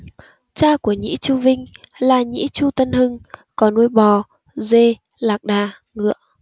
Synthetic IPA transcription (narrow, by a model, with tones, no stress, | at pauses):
t͡ɕaː˧ku˧˩əɲḭ˧˥t͡ɕu˧vï˧ŋ̟laː˨˩ɲḭ˧˥t͡ɕu˧t̪ə˧nhɨ˧ŋkɔ˨˦nːu˧jɓɔ˨˩ | ze˧ | laː˨˩k̚ɗaː˨˩ | ŋɨ̰˧˨əʔ